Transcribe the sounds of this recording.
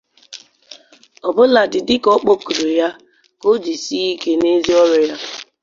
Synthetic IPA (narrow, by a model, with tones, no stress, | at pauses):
ɔ˨bʊ˦la˨dɪ˨dɪ˦kɔ˦k͡po˦ku˨ɾo˨ja˦ | ko˦d͡ʒi˨si˦i˦ke˦ne˦zi˦ɔ˦ɾɔ˨ja˦